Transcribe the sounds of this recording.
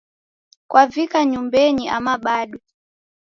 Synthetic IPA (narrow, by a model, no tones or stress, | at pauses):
kwʔavikaɲumbɛɲiamaɓaɗwɛ